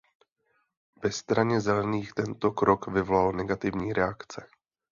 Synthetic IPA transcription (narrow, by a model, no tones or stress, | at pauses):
v̥ɛst̪ɾaɲɛzɛlɛniːxt̪ɛnt̪o̞kɾo̞kvɪvolalnɛɡat̪ɪvɲiːɾɛakt͡sɛ